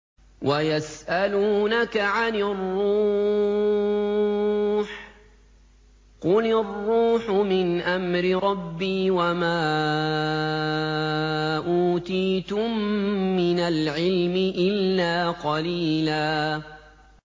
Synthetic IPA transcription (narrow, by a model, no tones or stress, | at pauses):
wʔajasʔaluːnakaʕanɪrːuː | ħ | qʊlɪrːuːħʊmɪnʔamɾɪɾˤɑbːiːwamaː | ʔuːt̪iːt̪ʊmːɪnalʕɪlmɪʔɪlːaːqɑliːlaː